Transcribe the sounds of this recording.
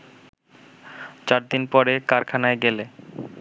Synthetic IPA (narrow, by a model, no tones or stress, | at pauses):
t͡ɕaɾd̪inpɔɾekaɾkʰanaeɡele